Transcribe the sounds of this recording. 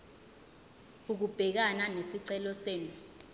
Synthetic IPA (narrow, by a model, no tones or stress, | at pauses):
uk̬ub̥ʱɛk̬ananesiǀɛlɔseːnu